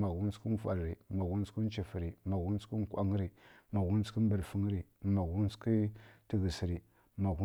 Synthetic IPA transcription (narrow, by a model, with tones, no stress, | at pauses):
ma˨ɣu˦n˦ski˦n˦fa˨lɾi˨ma˨ɣu˦n˦ski˦n˦t͡ʃi˨fi˨ɾi˨ma˨ɣu˦n˦ski˦ŋ˦kʷa̰˦ŋ˦ɾi˨ma˨ɣu˦n˦t͡ski˦m˦bə˨ɾfə˦ŋ˦ɾi˨ma˨ɣu˦n˦ski˦ti˨ɣə˨si˨ɾi˨ | ma˨ɣu˦